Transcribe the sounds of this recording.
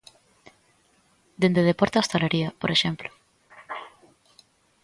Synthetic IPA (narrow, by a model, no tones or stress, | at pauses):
d̪end̪eð̞epoɾt̪ast̪aleɾiapoɾeʃemplo̥